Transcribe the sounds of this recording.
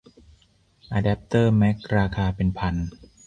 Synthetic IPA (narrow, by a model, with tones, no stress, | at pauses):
ʔa˧dɛ˦˥p̚t̪ɤː˥˩mɛ˦˥k̚ɾaː˧kʰaː˧pe˧npʰa˧n